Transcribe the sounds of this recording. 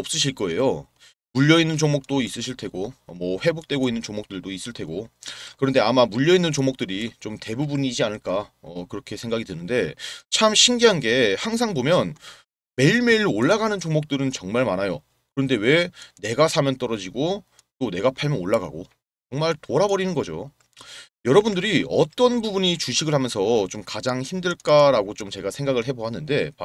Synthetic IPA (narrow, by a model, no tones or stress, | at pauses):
ʌps͈ɯɕʰiɭk͈ʌe̞̰jo | muʎːʌinːɯnt͡ɕoŋmok̚t͈ois͈ɯɕʰiɭtʰe̞ɡomwʌɸwe̞bok̚t͈we̞ɡoinːɯnt͡ɕomok̚t͈ɯɭdois͈ɯɭtʰe̞ɡokɯɾʌnde̞amamuʎːʌinːɯnt͡ɕomok̚t͈ɯɾit͡ɕomte̞bubunid͡ʑianɯɭk͈aʌkɯɾʌkʰe̞sʰe̞ŋɡaɡidɯnɯnde̞t͡ɕʰamɕʰiŋɡiɦanɡe̞haŋsʰaŋbomjʌn | me̞iɭme̞iɾoɭːaɡanɯnt͡ɕoŋmok̚t͈ɯɾɯnt͡ɕʌŋmaɭmanajo̰ | kɯɾʌnde̞we̞ne̞ɡasʰamjʌnt͈ʌɾʌd͡ʑiɡo | t͈one̞ɡapʰaɭmjʌnoɭːaɡa̰ɡo̰ | t͡ɕʌŋmaɭtoɾabʌɾinɯnɡʌd͡ʑo̰ | jʌɾʌbundɯɾiʌ̰t͈ʌnbubuɲit͡ɕuɕʰiɡɯɭhamjʌnsʰʌt͡ɕomkad͡ʑaŋçimdɯɭk͈aɾaɡot͡ɕomt͡ɕe̞ɡasʰe̞ŋɡaɡɯɭɦe̞boɦanːɯnde̞p